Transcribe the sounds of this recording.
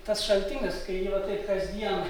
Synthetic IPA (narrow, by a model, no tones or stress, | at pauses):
t̪ɐsʃɐlʲt̪ʲɪŋɡɐskɐɪjɪʋɐtɐɪpkɐzʲd̪ʲiɛn